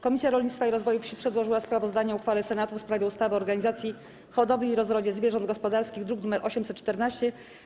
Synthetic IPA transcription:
kɔmʲitsʲjaɾɔlɲit̪t̪faiɾɔzvɔjufɕipʂɛd̪wɔʐɘwaspɾavɔzd̪aɲɛuxfalɛsɛnat̪ufspɾavʲɛust̪avɘɔɾɡaɲizat̪sʲji | xɔd̪ɔblʲiːɾɔzɾɔd͡ʑɛzvʲjɛʐɔnd̪̚ɡɔspɔd̪aɾskʲiɣd̪ɾuɡnumɛɾʔɔɕɛmsɛt̪t͡ʂt̪ɛɾnaɕt͡ɕɛ

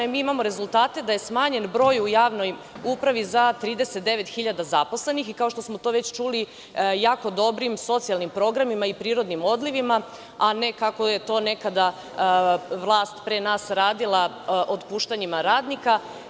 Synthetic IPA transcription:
miːimamo̞ɾe̞zulˠt̪aːt̪e̞d̪aje̞smaːɲe̞nbɾo̞ːjujaːʋno̞j | upɾaʋizat̪ɾiːd̪e̞set̪̚d̪e̞ʋe̞t̪xiʎad̪azapo̞sle̞nixikao̞ʃt̪osmo̞t̪o̞ːʋe̞t͡ɕt͡ʃuli | jaːko̞d̪o̞bɾimso̞t̪sialnimpɾo̞ːɡɾamimaipɾiːɾo̞d̪nimo̞d̪liʋima | ane̞kako̞je̞t̪o̞ːne̞kad̪a | ʋlˠaːst̪pɾenaːsɾaːd̪ilˠa | ʔod̪puːʃt̪aɲimaɾaːd̪nika

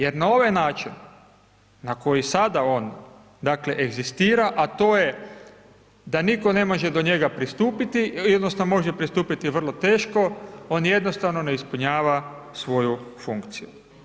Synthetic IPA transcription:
jeɾnao̞ʋajnaːt͡ʃinː | ako̞jisad̪ao̞ːn | d̪akle̞ʔeɡzist̪iːɾaʔat̪o̞ːje̞ | d̪aniko̞ne̞mo̞ʒed̪o̞ɲe̞ɡapɾist̪uːpit̪iod̪nosnomo̞ʒepɾist̪uːpit̪iʋr̩lˠo̞t̪e̞ːʃko̞o̞ːnje̞d̪nost̪aʋno̞ne̞ispuɲaːʋa | sʋo̞jufuŋkt̪siju

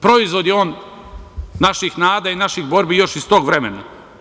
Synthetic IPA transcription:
pɾo̞izʋo̞d̪jeoːnː | aʃixnaːd̪ainaʃixbo̞ɾbijo̞ʃist̪o̞ːɡʋɾemena

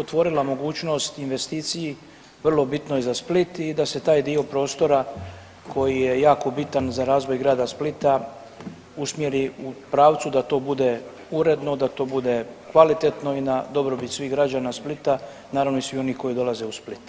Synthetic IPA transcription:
ot̪ʋo̞ɾilamo̞ɡuːt͡ʃno̞st̪inʋe̞st̪iːt̪siji | ʋr̩lˠo̞bit̪nojɛzasplit̪id̪ase̞t̪aːjd̪io̞pɾo̞ːst̪o̞ɾa | kʰo̞jije̞jaːko̞bit̪anzaɾaːzʋo̞jɡɾaːd̪asplit̪a | usmjeɾiupɾaːʋt̪sud̪at̪o̞ːbud̪e̞ | uɾe̞d̪no̞d̪at̪o̞ːbud̪e̞kʋalit̪e̞t̪no̞inad̪o̞bɾo̞bit̪sʋiɦɡɾad͡ʑanasplit̪a | naːɾaʋnoisʋio̞nihko̞jid̪o̞laze̞usplit̪

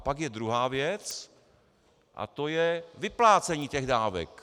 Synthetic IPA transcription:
paɡjɛd̪ɾuɦaːvjɛt͡s | ʔa̰t̪ojɛvɪplaːt͡sɛɲiːcɛɣdaːvɛ̰k

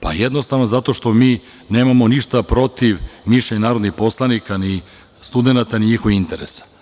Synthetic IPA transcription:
pa̰jed̪nost̪aʋnozat̪o̞ʃt̪o̞miː | ne̞ːmamo̞niʃt̪apɾo̞t̪iʋmiʃeɲanaːɾod̪nixpo̞slˠanikani | st̪ud̪e̞nat̪aniɲixoʋiint̪eɾesḁ

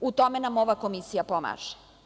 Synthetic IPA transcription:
ut̪o̞menamo̞ʋako̞misijapoma̰ːʒ̥e̥

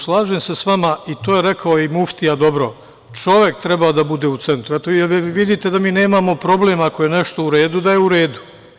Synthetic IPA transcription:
slˠaːʒemse̞sʋamait̪oːje̞ɾekʰaojimuft̪ijad̪o̞bɾo̞ | t͡ʃo̞ʋje̞kt̪ɾɛbad̪abud̪e̞ut̪se̞nt̪ɾuet̪oʋid̪it̪e̞d̪amiːne̞ːmamo̞pɾo̞ble̞ːmakoje̞neʃt̪o̞uɾe̞ːd̪ud̪ajeuɾe̞ːd̪u̥

